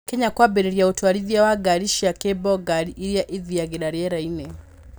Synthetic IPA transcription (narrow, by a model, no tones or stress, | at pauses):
kɛɲakwabɛɾɛɾijautuaɾiðiawaɡaɾiʃiakɛbɔɡaɾiiɾiaʔiðijaɡɛɗaɾiɛɾainɛ